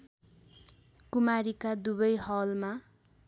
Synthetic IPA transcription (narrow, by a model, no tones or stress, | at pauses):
kumaɾikad̪ubʌjɦʌlma